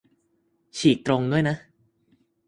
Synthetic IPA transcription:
t͡ɕʰiː˨˩k̚t̪ɾo˧ŋdu˥˩əjna˦˥

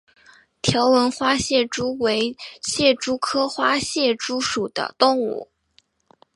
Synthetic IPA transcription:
t̪ʰjɑ˧˥ʊwə˧˥nxwa˥ɕjɛ˥˩ʈ͡ʂu˥we˧˥ɪɕjɛ˥˩ʈ͡ʂu˥kʰɤ˥xwa˥ɕjɛ˥˩ʈ͡ʂu˥ʂu˨˩d̪̥ə̰˦t̪ʊ˥˧ŋṵ˥˩

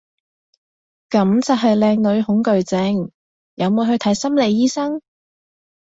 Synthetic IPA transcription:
kɐ˨˥mt͡sɐ˨˩ɦɐ˨jlɛː˧ŋlɵ˨˧ɥhʊ˨˥ŋkɵ˨ɥt͡sɛ˨˥ŋ | jɐ˨˧wmuː˨˧hɵ˧t̪ʰɐ˨˥jsɐ˥mle˨˧jiː˥sɐ˥ŋ

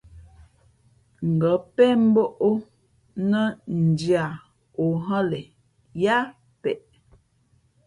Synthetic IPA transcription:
ŋ̩˨ɡə˨˦pɛ˦m̩˦bo˦ʔo˦ | nə˦n̩˨dja˨ | o˨ɦə˦lɛ˨ | ja˦ | pɛ˨ʔ

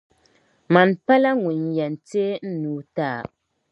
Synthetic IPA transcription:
ma˨npa˦la˦ŋu˨n˨jɛ˨n̩˨te˦n̩˦nuː˨˦taː˦˨

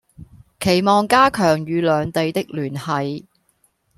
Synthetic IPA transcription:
kʰe˨˩jmɔː˨ŋkaː˥kʰœː˨˩ŋjyː˨˧lœː˨˧ŋt̪e˧jt̪ɪ˥k̚lyː˨˩nhɐ˨˧j

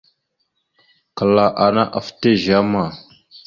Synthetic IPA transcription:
kə˨la˨ʔa˨na˦ʔa˨fte˦ʒa˦ma˨

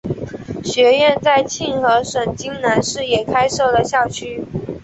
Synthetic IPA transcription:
ɕɥɛ˧˥ɥɛ˥˧nt͡sa˥˧ɪt͡ɕʰi˥˩nxɤ˧˥ʂwə˨˩nt͡ɕi˥ŋna˧˥nʂɻ̩˥˩jɛ˨˩kʰa˥ɪʂɤ˥˩ʊlə˩ɕjɑ˥˩ʊt͡ɕʰy˥

